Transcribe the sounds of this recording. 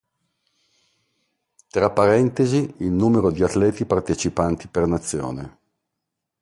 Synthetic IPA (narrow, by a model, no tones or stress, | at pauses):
t̪ɾapːaɾɛnt̪eziilnuːmeɾod̪iat̪ːlɛːt̪ipart̪et͡ʃipant̪ipernat̪sːjo̰ːne